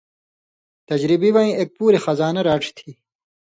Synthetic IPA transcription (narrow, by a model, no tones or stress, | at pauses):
t̪ɐd͡ʑɾibiwaĩeːk̚puːɾexɐzaːnɐɾaːʈ͡ʂʰt̪ʰi